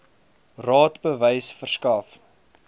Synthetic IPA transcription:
rɑːtbəvəjsfərskɐf

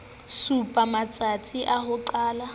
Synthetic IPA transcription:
supʼamat͡sʼat͡sʼiʔahʊǃaːla

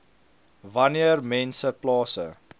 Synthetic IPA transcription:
vɐniərmɛnsəplɑːsə̰

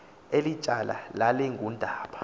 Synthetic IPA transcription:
elit͡ʃʼalʔa̰lalɛŋɡʱundʱaːɓḁ

